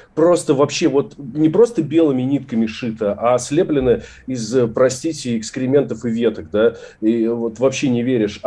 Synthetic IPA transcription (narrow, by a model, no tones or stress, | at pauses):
pɾo̞st̪əvɐpɕːevo̞t̪nʲɪpɾo̞st̪əbʲelˠɨmʲɪnʲit̪̚kəmʲɪʂɨt̪əʔasʲlʲeplʲɪnə | ɪzəpɾɐsʲtʲitʲɪɪkspʲɪɾʲɪmʲent̪əfɨvʲe̞t̪ək̚d̪aivo̞t̪vɐpɕːenʲɪvʲeɾʲɪʂ